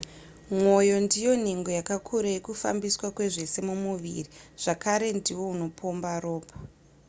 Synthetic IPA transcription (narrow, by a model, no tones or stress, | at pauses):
mwo̞jo̞ndijo̞n̤eŋɡo̞jakakʰuɾajekufa̰mbiswakwe̞ʐe̞se̞mumuʋḭriʐ̥akaɾe̞ndiwo̞uno̞pʰombaroːpʰo̥